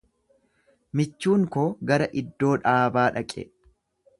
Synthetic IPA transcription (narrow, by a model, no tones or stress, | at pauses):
mɪt͡ʃːuːŋkoːɡɐɾɐʔɪd̪ːo̞ːᶑaːbaːᶑɐkʼɛ̰